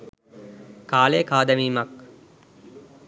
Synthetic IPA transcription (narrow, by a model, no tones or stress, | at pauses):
kaːlejkaːd̪əmiːmak